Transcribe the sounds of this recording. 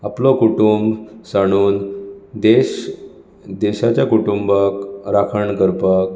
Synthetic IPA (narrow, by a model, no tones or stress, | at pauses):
aplɔkuʈumbsaɽ̃uːnd̪eɕ | d̪eɕat͡ɕjakuʈumbəkɾakʰəɳkəɾpək̚